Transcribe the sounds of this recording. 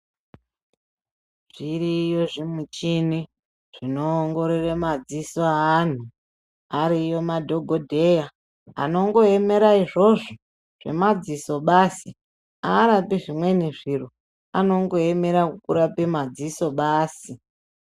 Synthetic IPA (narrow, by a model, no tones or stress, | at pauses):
ʐ̥iɾijo̞ʐimut͡ʃini | ʐ̥inoːŋɡo̞ɾeremad͡zisoːn̤u | aɾijo̞madʱo̞ɡʱo̞dʱe̞ja | a̰no̞ŋɡo̞e̞me̞ɾaiʐo̞ʐo | ʐ̥e̞̰mad͡ziso̞ɓasi | aːɾapiʐimwe̞niʐiru | a̰no̞ŋɡo̞eme̞ɾakukuɾapemad͡ziso̞ɓaːsi